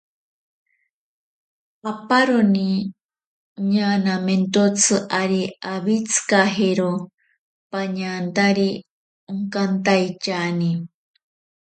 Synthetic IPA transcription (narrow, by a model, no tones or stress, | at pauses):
apaɾoni | ɲanament̪ot͡sʰɨʔaɾiaβit͡sʰɨ̥kaɦeɾo | paɲant̪aɾi | uŋkant̪ajt͡ʃani